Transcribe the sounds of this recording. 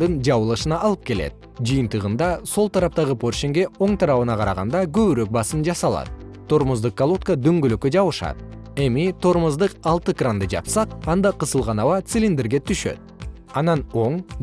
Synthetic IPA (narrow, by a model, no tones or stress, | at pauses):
d̪ɯnd͡ʒɑβɯlˠɯʃɯnɑʔːlˠɯp̚ke̞lḛt̪̚ | d͡ʒɨjɨnt̪əʁɯnd̪ɑso̞lˠt̪ʰɑɾɑp̚t̪ɑʁəpʰo̞rʃeŋɡe̞o̞ɴt̪ʰɑɾɑβɯnɑqʰɑɾɑʁɑ̰nd̪ɑkøβyɾøk̚bɑsɨnd͡ʒɑsɑlˠɑ̰t̪ | t̪ʰːo̞ɾməzd̪ɯq̚kːalˠot̪̚kəd̪yŋɡøløkød͡ʒɑβɯʃɑ̰t̪̚ | e̞mit̪ʰo̞ɾməzd̪ɯqɑlˠt̪ɯkrand̪ɯd͡ʒɑ̰psɑq̚ɑnd̪ɑqəsəlˠʁɑnɑwɑt̪sɪlʲind̪e̞ɾɡe̞t̪ʰyʃø̞̰t̪̚ | ɑnɑno̞ɴ